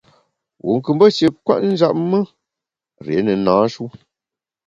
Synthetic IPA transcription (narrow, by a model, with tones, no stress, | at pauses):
wʔṵ˨ŋ̩˨kɨ˨mbə˦ʃe˨kwa̰˦ʔn̩˦d͡ʒa˦ʔ̚mə˦ | ɾḛ˨˦nə˨nãː˨˦ʃu˦